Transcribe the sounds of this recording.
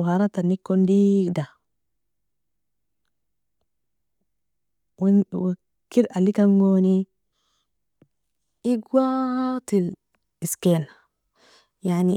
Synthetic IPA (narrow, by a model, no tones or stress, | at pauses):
haɾat̪anikːondida | ww | kiɾalːikanɡoni | iɡwat̪il | isken | jaʕni